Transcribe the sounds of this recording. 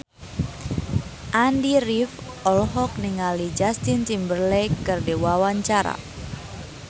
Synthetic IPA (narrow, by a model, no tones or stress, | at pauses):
ʔandirif | ɔlɦɔk̚niŋalid͡ʒast̪int͡ʃimbərlɛkɨrdewawaɲt͡ʃaɾa̰